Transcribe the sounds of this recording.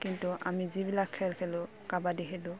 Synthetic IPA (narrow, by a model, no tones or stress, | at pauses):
kintuʔa̰mizibilakʰːɛlkʰɛlʊ | kabadiɦɛdʊ̃